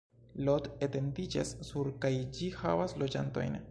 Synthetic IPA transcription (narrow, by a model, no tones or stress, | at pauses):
lodete̞ndid͡ʒa̰sːuɾkajd͡ʒiha̰vaslo̞d͡ʒa̰nto̞̰jn